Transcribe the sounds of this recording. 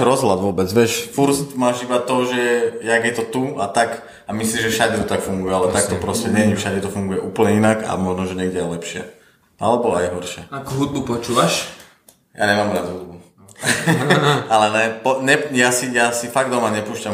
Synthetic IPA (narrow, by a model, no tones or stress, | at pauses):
ɾɔzɦlad̪ʋʊɔbɛd͡zʋɛʃfuɾst̪maːʒiʋat̪ɔʒɛjaɡjɛt̪ɔt̪uat̪ak | amislimʒɛfʃaɟɛt̪ɔt̪akfuŋɡujɛalɛt̪ak̚t̪ɔpɾɔscɛɲɛɲifʃaɟɛt̪ɔfuŋɡujɛʔuːpl̩ɲɛinaka̰mɔʒnɔʒɛɲɛɡɟɛjalɛpʃɪɛ̰ | ʔa̰lɛbɔa̰jɦɔɾʃɪɛakuɦud̪̚bupɔt͡ʃuːʋaʃ | ja̰ɲɛmaːmɾad̪ɦud̪bu | alɛnɛpɔɲɛjasijasifaɡ̚d̪ɔmaɲɛpuːʃcam